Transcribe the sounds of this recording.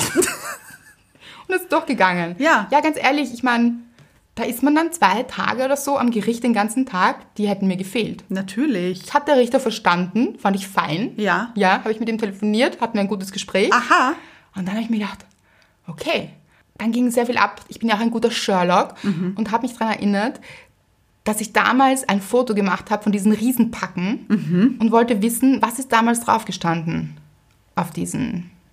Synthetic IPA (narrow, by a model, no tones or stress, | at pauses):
ʊntɛsɪtd̥ɔχɡ̥əɡaŋənjaːjaːɡant͡sʔḛːɐlɪçɪçmaɪn | d̥aːʔɪstmandant͡sv̥aɪtʰa̰ːɡəoːdɐzoːʔa̰mɡəʁɪçt̚d̥eːnɡant͡sn̩tʰaːkd̥iːhɛtn̩miːɐɡəfeːltnatʰyːɐlɪçhatəd̥eːɐʁɪçtɐfɛɐʃtandn̩fandɪçfaɪnjaːjaːɦaːbɪçmɪt̚d̥iːmtʰeləfoniːɐthat̚n̩viːɐɛɪnŋɡuːt̬əsɡ̥əʃpʁ̥ɛːçaha | ʔʊnt̚danhaːbɪçmiɐɡədaχt | ʔokʰeː | d̥anɡɪŋzeːɐfiːlʔa̰pʔɪçb̥ɪnjaʊxaæɪnɡuːtɐʃœɐlɔkʊntɦaːbəmɪçd̥aʁanɛɐʔɪnɐt | d̥asɪçd̥a̰ːmaːlsaɪnfoːtoɡəmaχthaːbə̥fɔndiːzn̩ʁiːzn̩pʰakŋ̩ʔʊntv̥ɔltəvɪsn̩vasɪst̚d̥aːmaːlsd̥ʁa̰ʊfɡ̥əʃtandn̩ | ʔaʊfd̥iːzn̩